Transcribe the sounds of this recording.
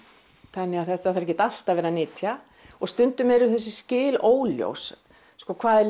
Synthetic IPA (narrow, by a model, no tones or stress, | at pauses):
θɛnːɪaθɛt̪ːaθaɾɛcːɪt̪al̥t̪avɛːɾanɪːt̪ʰja | ɔɣst̪ʏnt̪ʏmɛɾʏθɛs̬ːɪscɪːloːwljo̰wsː | kɔkʰvaːðɛ